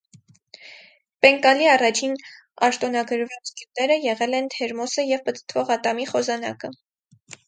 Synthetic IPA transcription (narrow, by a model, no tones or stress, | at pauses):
pɛŋkɑliɑrɑt͡ʃʰin | ɑʃt̪ɔnɑɡəɾvɑt͡sɡjut̪ɛɾəjɛʁɛlɛnt̪ʰɛɾmɔsəjɛvpət̪ə̥t̪ʰvɔʁɑt̪ɑmiχɔzɑnɑ̰kə